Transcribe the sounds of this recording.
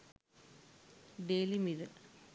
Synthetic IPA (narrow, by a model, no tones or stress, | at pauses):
ɖeːlimiðɨ